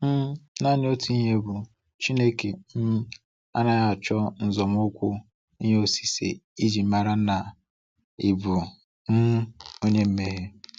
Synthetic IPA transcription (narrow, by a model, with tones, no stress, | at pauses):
m̩˦na˦˨nɪ˦o˦tu˨˦i˦ɦe˦bʊ˨ | t͡ʃi˦ne˦ke˨n̩˦ | a̰˦na˦ja˦a˨t͡ʃɔ˦n̩˨zɔ˨mʊ˦kʷʊ˦ | i˦ɲe˦o˨si̥˨sḛ˨i˦d͡ʒi˨m̩˦ma˨ɾa˦na˨ | ɪ˨bʊ˨ | n̩˦o˦ɲe˦m̩˦me˦ɦe˦